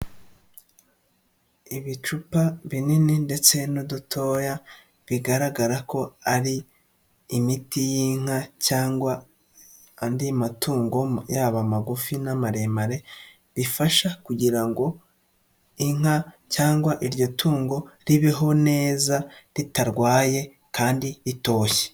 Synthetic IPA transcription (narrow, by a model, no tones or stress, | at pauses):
iβit͡ʃupaβinininde̞t͡se̞nudutʰo̞ːja | βiɡaɾaɡaɾako̞aɾiː | mitijiːŋ̥acaːŋɡwa | ndimatuːŋɡojaβamaɡufinamaɾemaɾe̞ | βifaʃakuɟiɾaŋɡo̞ | iŋ̥a | caːŋɡwaʔiɾjo̞tʰuːŋɡo̞ɾiβeɦo̞ne̞ːzaɾitaɾɡwaːje̞ | kaːndiɾito̞ːçe̥